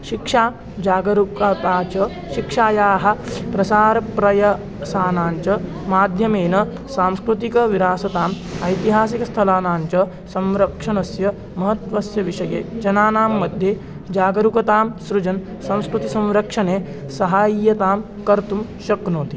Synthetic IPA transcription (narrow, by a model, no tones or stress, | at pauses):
ʃikʂaː | d͡ʒaːɡɐɾukat̪aːt͡ʃɐ | ʃikʂaːjaːɦɐ̆pɾɐsaːɾɐpɾɐjɐ | saːnaːɲt͡ʃɐ | maːd̪ʱjɐmeːnɐ | saːmskɾut̪ikɐʋiɾaːsɐt̪aːm | ɐjt̪iɦaːs̬ikɐst̪ʰɐlaːnaːɲt͡ʃɐ | sɐ̃mɾɐkʂɐnɐsjɐ | mɐɦɐt̪ʋɐsjɐʋiʂɐjḛːd͡ʒɐnaːnaːmːɐd̪ʱje | d͡ʒaːɡɐɾukɐt̪aːmsɾud͡ʒɐn | sɐ̃w̃skɾut̪isɐ̃mɾɐkʂɐneː | sɐɦaːijɐt̪aːm | kɐɾt̪umʃɐknoːt̪i